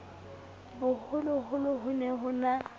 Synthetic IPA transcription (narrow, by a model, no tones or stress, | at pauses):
bʊhʊlʊhʊlʊɦʊnɛhʊna